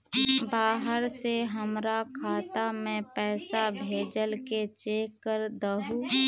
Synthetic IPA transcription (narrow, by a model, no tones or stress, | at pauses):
baːɦəɾseɦəmɾakʰaːt̪amẽpɛːsabʱeːd͡ʒəlket͡ʃeːkːəɾd̪əɦu